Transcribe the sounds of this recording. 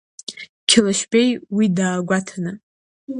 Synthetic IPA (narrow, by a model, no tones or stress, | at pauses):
kʲʰɪlaʃbejwidaːɡʷatʰanɨ